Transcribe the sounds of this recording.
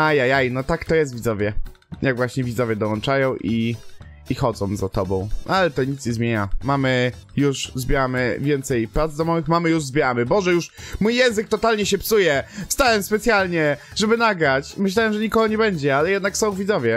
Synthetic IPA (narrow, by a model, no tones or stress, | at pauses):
ajajajnɔt̪akt̪ɔjɛst̪vʲid̪zɔvʲjɛ | jaɡvwaɕɲɛvʲid̪zɔvʲjɛd̪ɔwɔnt͡ʂajɔ̃w̃ʔiː | xɔd̪zɔ̃w̃zat̪ɔbɔ̃w̃ʔalɛt̪ɔɲit̪sɲɛzmʲjeɲamamɘjuʂzbʲjɛɾamɘvʲjɛnt̪sɛjpɾatd̪zd̪ɔmɔvɘxmamɘjuʐzbʲjɛɾamɘbɔʐɛjuʂmujːɛw̃zɘk̚t̪ɔt̪alɲɛɕɛpsujɛfst̪awɛmspɛt̪sʲjalɲɛʐɛbɘnaɡɾat͡ɕmɨɕlawɛmʐɛɲikɔɡɔɲɛbɛɲd͡ʑɛalɛjɛd̪naksɔ̃w̃vʲidzɔvʲjɛ